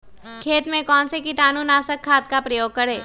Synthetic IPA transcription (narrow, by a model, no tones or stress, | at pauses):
kʰeːt̪mẽkɔːnsekiʈ̪aːnunaːsəkʰːaːt̪̚kapɾɐjoːɡ̚kɐɽeː